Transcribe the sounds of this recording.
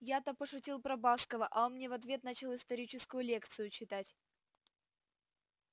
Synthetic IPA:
jat̪əpəʂʊtʲilˠpɾɐbaskəvəʔɐonmnʲevɐt̪vʲe̞t̪nat͡ɕɪlˠɪst̪ɐɾʲit͡ɕɪskʊjʊlʲe̞kt̪sɨjʊt͡ɕɪt̪atʲ

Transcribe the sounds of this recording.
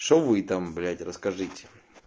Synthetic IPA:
ʂovɨt̪amblʲætʲrəskɐʐɨtʲɪ̥

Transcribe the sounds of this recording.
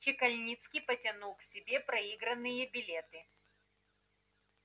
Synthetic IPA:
t͡ɕɪkɐlʲnʲit̪skʲɪpətʲɐnulˠksʲɪbʲepɾɐiɡɾənːɨjəbʲɪlʲet̪ɨ

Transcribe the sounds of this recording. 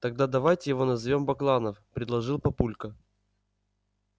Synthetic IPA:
t̪ɐɡ̚d̪ad̪ɐvajtʲɪjɪvo̞nɐzvʲo̞mbɐklˠanəfpɾʲɪd̪lˠɐʐɨlˠpɐpulʲkə

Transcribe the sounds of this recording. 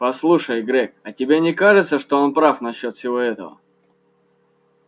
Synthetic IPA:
pɐslˠuʂəjɡɾʲɛk̚ɐtʲɪbʲenʲɪkaʐɨt̪səʂt̪oonpɾafnɐɕːo̞t̪fʲsʲɪvo̞ɛt̪ə̰və̰

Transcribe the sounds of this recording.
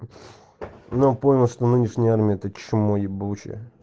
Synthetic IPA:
nopomʲɪlˠʂt̪onɨnʲɪʂnʲəjəarmʲɪəɛt̪ət͡ɕt͡ʃmojɪbut͡ɕɪ̰

